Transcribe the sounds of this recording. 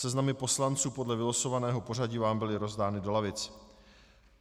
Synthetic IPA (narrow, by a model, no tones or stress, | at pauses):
ɛznamɪpo̞slant͡suːpodlɛvɪlosovanɛːɦo̞po̞r̝aɟiːvaːmbɪlɪɾo̞zdaːnɪdo̞lavɪt͡s